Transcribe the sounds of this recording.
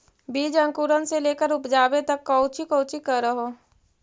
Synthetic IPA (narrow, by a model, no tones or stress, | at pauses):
biːd͡ʒə̃ŋkuːɾənseleːkəɾʊpd͡ʒaːbet̪ɐkːəʊt͡ʃikoːt͡ʃikɐɾːəɦoː